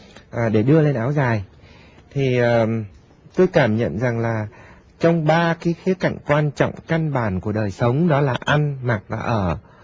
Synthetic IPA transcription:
ʔaː˨˩ɗe˧˩ɗɨ˧əle˧nʔaː˨˦wzaː˨˩j | t̪ʰi˨˩əː˨˩ | t̪o˧jkaː˧˩mɲə̰˧˨nza˨˩ŋlaː˨˩ | t͡ɕɔ˧wŋ͡mɓaː˧ki˨˦xi˨˦əka̰˧˨jŋ̟kwaː˧nt͡ɕɔ̰˧˨wŋ͡mka˧nɓaː˧˩nku˧˩əɗəː˨˩jsə˨˦wŋ͡mɗɔ˨˦laː˨˩ʔa˧nma˨˩t̚vaː˨˩ʔəː˧˩

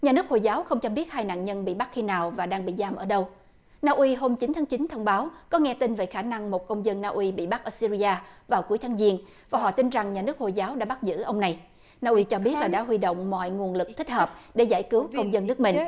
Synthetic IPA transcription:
ɲaː˨˩nɨ˦˥ək̚ho˨˩jzaː˨˦wxə˧wŋ͡mt͡ɕɔ˧ɓi˦˥ət̚haː˧jna̰ː˧˨nɲə˧nɓḭ˧˨ɓa˦˥t̚xi˧naː˨˩wvaː˨˩ɗaː˧ŋɓḭ˧˨zaː˧mʔəː˧˩ɗə˧w | naː˧ʔwi˧ɦo˧mt͡ɕi˨˦nt̪ʰaː˨˦ŋt͡ɕi˨˦nt̪ʰə˧wŋ͡mɓaː˨˦wkɔ˨˦ŋɛ˧t̪i˧nve˨˩xaː˧˩na˧ŋmo˨˩t̚kə˧wŋ͡mzə˧nːaː˧ʔwi˧ɓḭ˧˨ɓa˦˥k̚ʔəː˧˩si˧zi˧ʔaː˧vaː˨˩wku˨˦əjt̪ʰaː˨˦ŋzi˧ən | vaː˨˩ɦɔ̰˧˨t̪i˧nza˨˩ŋɲaː˨˩nɨ˦˥ək̚ho˨˩jzaː˨˦wɗa̰ː˧˥ɓa˦˥t̚zɨ̰˧˥ʔə˧wŋ͡mna˨˩j | naː˧ʔwi˧t͡ɕɔ˧ɓi˦˥ət̚laː˨˩ɗa̰ː˧˥ɦwi˧ɗo̰˧˨wŋ͡mmɔ̰˧˨jŋu˨˩ənlɨ˨˩k̚t̪ʰi˦˥k̚həː˨˩p̚ɗe˧˩za̰ː˧˩jkɨ˨˦wkə˧wŋ͡mzə˧nːɨ˦˥ək̚mï˨˩ŋ̟

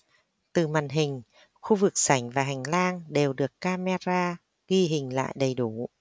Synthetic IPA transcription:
t̪ɨ˨˩ma̰ː˧˨˩nɦï˨˩ŋ̟ | xu˧vɨ˨˩k̚sa˨˩˦jŋ̟vaː˨˩ɦa˨˩jŋ̟laː˧ŋɗe˨˩wɗɨ˨˩əkːaː˧me˧zaː˧ | ɣi˧ɦï˨˩ŋ̟la̰ː˧˨jɗə˨˩jɗu˨˩˦

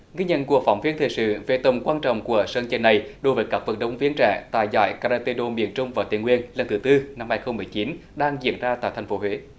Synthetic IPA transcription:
ɣi˧ɲə̰˧˨nku˨˩ək̚fa˧˩wŋ͡mvi˨˥ənt̪ʰḛ˧˨˩jsɨ̰˧˨ve˨˩t̪ə˨˩ŋ͡mkwaː˧nt͡ɕɔ̰˧˨wŋ͡mku˧˩əsəː˧nt͡ɕə˧˩nːa˨˩jɗo˨˦jvəː˨˦jkaː˦˥k̚və˨˩nɗə˨˦wŋ͡mvi˧˥ənt͡ɕa̰ː˧˩˨t̪a̰ː˧˨jza̰ː˧˩jkaː˧ɾaː˧t̪i˧ɗo˧mi˧˨ənt͡ɕʊ˧ŋ͡mvaː˨˩wt̪i˧˨ŋwi˧ənlə˨˩nt̪ɨ˨˦t̪ɨ˧na˧mhaː˧jxə˧wŋ͡mmɨ˨˩əjt͡ɕi˨˦nɗaː˧ŋzḭ˧˨ənzaː˧t̪a̰ː˧˨t̪ʰa˧˩jŋ̟fo˨˦ɦwe˨˦

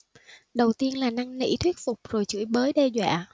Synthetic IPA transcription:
ɗə˨˩wt̪i˧ənlaː˨˩na˧ŋnḭ˧˥t̪ʰwi˦˥k̚fʊ˨˩k͡p̚zo˨˩jt͡ɕɨ̰˧˥əjɓəː˨˦jɗɛ˧zwa̰ː˧˨

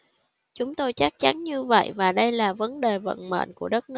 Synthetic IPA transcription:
t͡ɕʊ˨˦ŋ͡mt̪o˧jt͡ɕa˦˥k̚t͡ɕa˨˦nɲɨ˧və̰˧˨jvaː˨˩ɗə˧jlaː˨˩və˨˦nɗe˨˩və̰˧˨nmə̰˧˨nku˧˩əɗə˦˥t̚nɨ˦˥

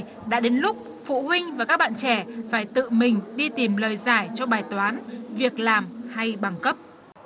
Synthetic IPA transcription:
ɗa̰ː˧˥ɗe˨˦nlʊ˦˥k͡p̚ | fṵ˧˨hwï˧ŋ̟vaː˨˩kaː˦˥k̚ɓa̰ː˧˨nt͡ɕɛ˧˩faː˧˩jt̪ɨ̰˧˨mï˨˩ŋ̟ɗi˧t̪i˨˩mləː˨˩jzaː˧˩jt͡ɕɔ˧ɓaː˨˩jt̪waː˨˦nvi˨˩ək̚laː˨˩mha˧jɓa˨˩ŋkə˦˥p̚

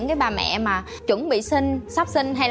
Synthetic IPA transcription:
ŋkaː˨˦jɓaː˨˩mɛ̰˧˨maː˨˩ | t͡ɕwə˧˩ŋɓḭ˧˨sï˧ŋ̟saː˦˥p̚sï˧ŋ̟ɦa˧jl

